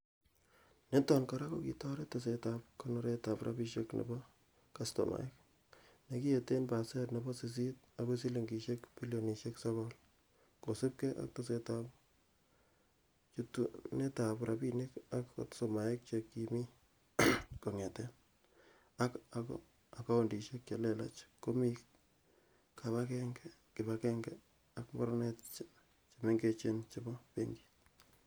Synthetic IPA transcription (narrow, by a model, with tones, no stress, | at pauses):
ne˦tɔnkaɾakoki˨tɔ˦ɾetas̬etapkonoɾeta˨pɾʔa̰bi˦ʃeknḛ˨bɔ | kasto̰ma̰˨ek̚ | ne˨ki˦e˨te˦npa˨sɛ˦tne˨bɔ˦sis̬i˦t̚ako˦si˦le˨ŋɡi˨ʃekpi˦ljo˨ni˨ʃeksɔkɔl | ko˨se˦p̚keʔa̰˦k̚ta˦se˦tap | t͡ʃutune˦ta˨bɾʔa˨bine˦ka˦kːo̰˨tsoma˨e˦k̚t͡ʃekːimi˦ | ko˨ŋɛ˨tɛ˦n | a˦kakɔ̰ | a˨ka˦o˨ndi˨ʃe˦k̚t͡ʃa˨lɛ˨la̰˦t͡ʃko˦mi˦k | ka˨βa˦kɛ˦ŋɡɛkɪ˨bakɛŋɡɛ | akmɔ˦ɾnett͡ʃ | t͡ʃeme˦ŋɡe˦t͡ʃe˦nt͡ʃebɔ˦pḛŋɡit